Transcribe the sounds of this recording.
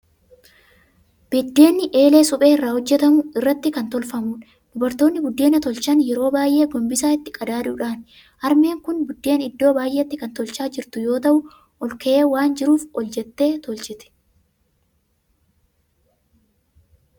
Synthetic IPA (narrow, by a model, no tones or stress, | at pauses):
b̥ɛd̪ːe̞ːnːɪʔe̞ːle̞ːsʊpʼeːɪrːaːhɔd͡ʒːɛt̪ɐmʊɪrːɐt̪ːɪkɐnt̪ɔlfɐmuːᶑ | d̪̥ʊbɐɾt̪o̞ːnːɪbʊd̪ːeːnɐt̪ɔlt͡ʃɐnjɛɾo̞ːbaːjʔe̞ːɡɔmbɪsaːɪt̪ːɪ̥kʼɐd̪aːᶑ̪ʊᶑaːn | ʔɐɾme̞ːŋkʊnbʊd̪ːe̞ːnɪd̪ːo̞ːbaːjʔeːt̪ːɪkɐnt̪ɔlt͡ʃaːd͡ʒɪɾt̪ʊjo̞ːt̪ɐʔʊ | ʔɔlkɛʔeːwaːnd͡ʒɪɾuːfɔld͡ʒɛt̪ːe̞ːt̪ɔld͡ʒɛt̪ɛ̥